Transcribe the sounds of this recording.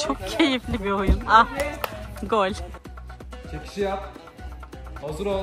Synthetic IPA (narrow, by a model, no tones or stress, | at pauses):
t͡ʃʰok̚cʰe̞jiflʲibiojuma | ɡolʲ | t͡ʃʰekʰi̥ʃijap̚ | hozɯɾo